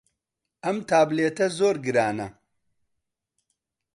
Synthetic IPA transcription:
ʔɐmt̪ʰaːbleːt̪ɐzoːɾɡɨɾaːnɐ

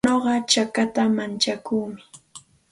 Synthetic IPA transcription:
oɢɑt͡ʃakat̪amant͡ʃakuːmɪ

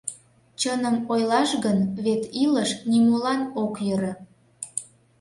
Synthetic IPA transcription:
t͡ɕənəmojlɑʃɣənβet̪iləʃnimulɑnokjəɾə̆

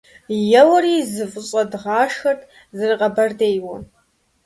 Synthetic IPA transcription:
jɛwɐɾiːzɨfʼʊɕʼɐdʁɑːʂxɐrtʰʼ | zɨrɨqʼɐbɐrdeːjwɐ

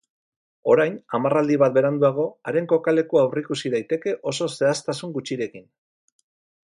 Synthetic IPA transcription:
o̞ɾajnamarald̪iβ̞at̪̚be̞ɾand̪uaɣ̞o̞aɾe̞ŋko̞kale̞kuawrikusiðajt̪e̞ke̞ʔo̞so̞se̞ast̪asuŋɡut͡ʃiɾe̞kin

